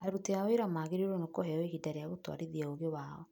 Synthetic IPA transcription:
aɾuteaoeɾamaːɣeɾeoɾonokoɦɛɔeɣidaɾeaɣotwa̰ɾiðiaoɣewaɔ̰

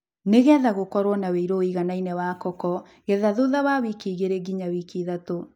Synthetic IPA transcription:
neɣɛðaɣokɔɾwɔnaweiɾoiɣanainɛwaːkɔkɔ | ɣɛðaðoðaβawikiːɣeɾeɡiɲawikiðato

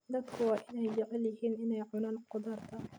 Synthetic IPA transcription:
d̪ɐd̪kʰʊwɑːʔɪnɛjd͡ʒɐʕɪljɐɦhiːnʔɪnɛjʕʊnaːnqʊd̪ɑrt̪ʰɐ

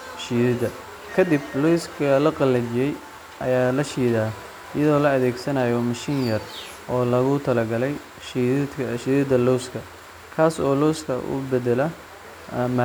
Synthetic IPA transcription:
ʃiːðɪd̪ɐ | kʰɐd̪ɪblɔwskʰɐlɐqɑlːɐd͡ʒɪjɛj | ʔɐ̰jaːlɐʃiːðaː | ɪjɐðɔːlɐɐðɛːɡsɐnaːjɔmɐʃɪnjɐr | ʔɔːlɐɣʊt̪ʰɐlɐɡɐlɛj | ʃʰʃiːðɪd̪ɐlɔwskʰɐ | kʰaːsɔːlɔwskʰɐ̰ʔʊ̰bɛd̪ɛlɐ | ma

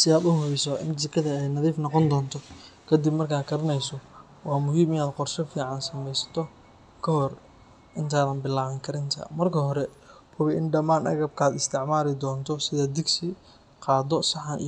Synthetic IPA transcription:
sɪðaːd̪ʊɦʊβɛjsɔɪ̰msɐkʰɐðɐɛjnɐðiːfnɔqɔnd̪ɔːnt̪ʰɔkʰɐd̪ibmɐrkʰaːkʰɐɾɐnɛjsɔ | wɑːmʊɦiːmɪnaːd̪qɔrʃɐfiːʕɑnsɐmɛjsɐ̥t̪ʰɔ | kʰɐhɔr | ʔɪnt̪ʰaːðɐnbɪlaːβɐŋkʰɐɾɪnt̪ʰɐ̰mɐrkʰɐɦɔɾɛ | pʰʊβɪʔɪnɖɐmaːnʔɐ̰ɣɐb̚kʰaːd̪ɪst̪ʰɪʕmaːɾɪd̪ɔːnt̪ʰɔsɪðɐd̪ɪɡsɪ | qɑːd̪ɔsɐħanʔ

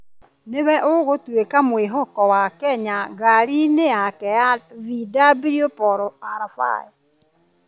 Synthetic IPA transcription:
newɛʔoɣotwekamweɦɔkɔwakɛɲaɣaɾinejakɛjavidabiɾiopɔɾoaɾafa̰e

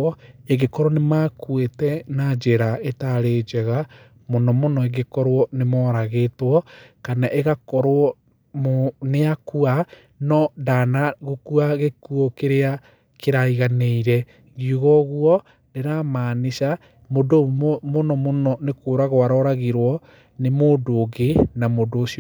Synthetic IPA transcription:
eɣekɔɾwɔnemaːkwetɛnad͡ʒeɾaetaɾeːd͡ʒɛɣa | monɔmonɔeɣekɔɾwɔnemɔːɾaɣetwɔkanaʔeɣakɔɾwɔ | mneakua | nɔdanaɣokuaɣekuɔkeɾea | keɾaiɣaneiɾɛ | ɣioɣɔɣuɔ | deɾamaːneʃa | modomonɔmonɔnekoːɾaɣowaɾɔɾaɣeɾwɔ | nemoːdoɡenamodoːsiɔ

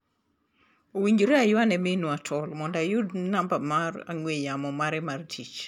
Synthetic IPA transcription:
owiɲd͡ʒoɾeajwanɛmenuatʰɔlmɔndajudnambamara̰ŋwejamɔmaɾɛmartʰit͡ʃ

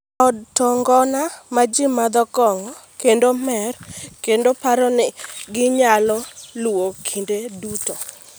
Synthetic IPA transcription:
ɔd̚tɔŋɡɔnamad͡ʒɪmad̪ɔkɔŋɔkendomɛrkendopaɾɔnɪɡɪɲalɔlwokʰindeduto

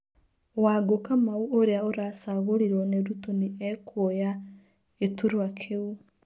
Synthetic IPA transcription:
waɡokamauoɾeaoɾasaɣoɾiɾwɔneɾutoniɛkʰoja | etuɾoakʰeu

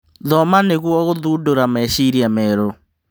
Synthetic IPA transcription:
ðɔmaneɣwɔɣoðuːdoɾamɛɕiɾiamɛɾo

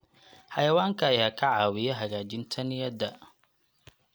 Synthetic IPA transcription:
ħɐjɐwaːŋkʰɐːjaːkʰɐʕaːwɪjɛɦɐɣaːd͡ʒɪnt̪ʰɐnɪjɐd̪ɐ

